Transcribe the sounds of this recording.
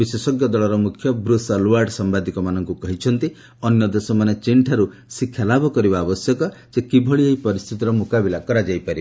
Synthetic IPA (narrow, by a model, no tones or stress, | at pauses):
bisesɔɡjɔd̪ɔɭɔɾɔmukʰːjɔbɾusɔluwaɾɖsɔmbad̪ʱikɔmanɔŋkukɔɦit͡ʃʰɔnt̪i | ɔnjɔd̪esɔmanet͡ʃiɳʈʰaɾu | sikʰjalabɔkɔɾibaːbɔsjɔkɔsekibʱɔɭieɦipɔɾist̪ʰit̪iɾɔmukabilakɔɾad͡ʒajpaɾib